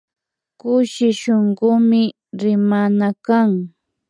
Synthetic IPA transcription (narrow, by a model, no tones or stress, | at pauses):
kʊʃɪʃoɴɢʊmɪ | ɾɪmanakaŋ